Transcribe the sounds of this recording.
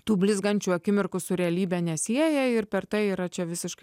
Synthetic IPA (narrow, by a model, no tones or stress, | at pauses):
t̪uːbʲlʲɪzɡɐnʲt͡ʃʲuːɐkʲɪmʲɪrkʊsʊɾʲɛɐlʲiːbʲɛnʲɛsʲiɛjɛɪɾpʲɛɾt̪ɐɪiːɾɐt͡ʃʲɛʋʲɪsʲɪʃkɐ